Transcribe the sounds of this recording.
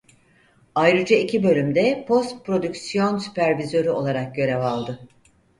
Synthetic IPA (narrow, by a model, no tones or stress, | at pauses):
ajɾɯd͡ʒaicʰibø̞lʲymd̪ɛpʰo̞st̪̚pɾo̞d̪ycsijo̞nsy̥pæɾvizø̞ɾyo̞lˠaɾak̚ɟø̞ɾɛvalˠd̪ɯ